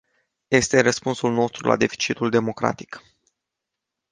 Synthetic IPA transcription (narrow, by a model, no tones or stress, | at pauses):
je̞st̪e̞rəspunsulno̞st̪ɾula̰d̪e̞fi̥t͡ʃit̪uld̪e̞mo̞kɾa̰t̪i̥k